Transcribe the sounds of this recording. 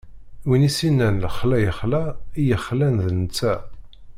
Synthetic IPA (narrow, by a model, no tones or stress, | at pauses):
winisinːænləχlæjəχlæijəχlænðənət͡sːæ